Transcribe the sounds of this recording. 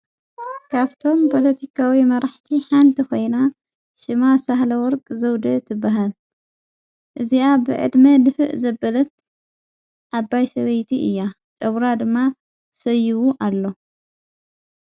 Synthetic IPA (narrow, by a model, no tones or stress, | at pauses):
kʰaβt̪ʰo̞mpʰo̞lɐt̪ʰikʰawimɐɾaħt̪ʰiħant̪ʰixo̞jna | ʃɨmasahlɐwɔɾkʼzɐwd̪ɐt̪ʰɨbːaɦal | ʔɨziabɨ̰ʕɨ̰d̪mɐd̪ɨfɨʔzɐbːɐlɐt̪̚ | ʔabːajsɐβɐjt̪ʰiʔɨ̰jːa | t͡ʃʼɐβɾad̪ɨmːa | sɐjuwuʔalːo̞